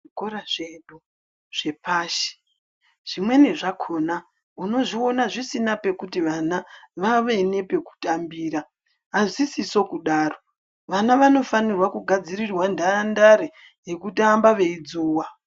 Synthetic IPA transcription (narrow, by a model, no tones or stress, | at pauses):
ʐikoɾaʐeɗu | ʐ̥e̞paːʃi̥ | ʐ̥imwe̞ne̞ʐakʰo̞na | uno̞ʐio̞naʐisinape̞kutiʋanaʋaʋe̞ne̞pe̞ku̥tambiːɾaː | ʐisiso̞kuɗaːro̞ | ʋanaʋano̞fanirwakuɡʱad͡zirirwandandaɾe | je̞kutambaʋe̞id͡zuːwa